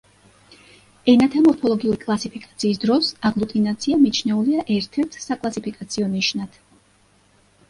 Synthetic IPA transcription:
ɛnat̪ʰamɔɾpʰɔlˠɔɡiuɾikʼlˠasipʰikʼat̪sʰiːsd̪ɾɔsaɡlˠut̪ʼinat̪sʰiamit͡ʃʰnɛuliaʔɛɾt̪ʰɛɾt̪ʰsakʼlˠasipʰikʼat̪sʰiɔniʃnad̪̥

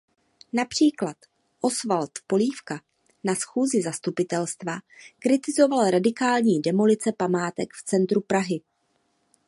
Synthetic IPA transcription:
napr̝̥iːklat̪ | ʔo̞svalt̪po̞liːfka | nasxuːzɪzast̪upɪt̪ɛlst̪vakɾɪt̪ɪzo̞valɾadɪkaːlɲiːdɛmolɪt͡sɛpamaːt̪ɛkft͡sɛnt̪ɾupɾaɦɪ

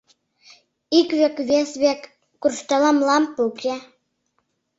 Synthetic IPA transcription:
ikβekβesβekː | urʃt̪ɑlɑmlɑmpukʰe

